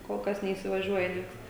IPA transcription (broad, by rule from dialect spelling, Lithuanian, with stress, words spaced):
koːlˠ ˈkɐs nʲɛiːsʲɪʋɐˈʒʲuɔjɛ ˈnʲiɛks